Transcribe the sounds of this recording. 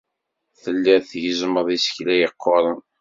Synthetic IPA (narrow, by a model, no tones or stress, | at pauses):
θəlːɪɾθʝəzməðˤisə̥çlæjəqʰːoɾˤən